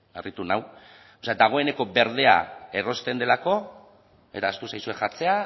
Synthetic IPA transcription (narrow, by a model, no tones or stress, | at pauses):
arit̪unaw | oead̪aɣ̞o̞e̞ne̞ko̞be̞ɾðe̞a̰e̞ro̞st̪e̞nd̪elako̞ | e̞t̪aːst̪usajsue̞ʝat͡se̞a